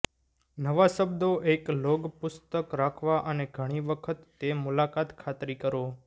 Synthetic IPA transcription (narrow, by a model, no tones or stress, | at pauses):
nəʋasəbd̪oʔekloɡpʊst̪əkɾakʰʋaʔəneɡʱəɽ̃iʋəkʰət̪ːemʊlakat̪kʰat̪ɾikəɾo